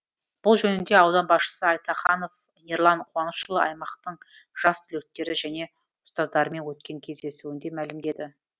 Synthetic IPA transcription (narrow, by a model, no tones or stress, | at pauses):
b̥ʊlˠʒɵnɪnd̪e̞ɑwd̪ɑnbɑsʃə̥səɑjt̪ɑχɑnof | jeɾlˠɑɴqʰoɑnəsʃəlˠəʔɑ̰jmɑqt̪əɴ | ʒ̥ɑst̪ʰʏlek̚t̪e̞ɾɪʒæne̞ | ʊst̪ɑzd̪ɑɾəme̞nwɵt̪kʲe̞ŋkʲʰe̞zd̪e̞suɪnd̪e̞mælɪmd̪e̞d̪ɪ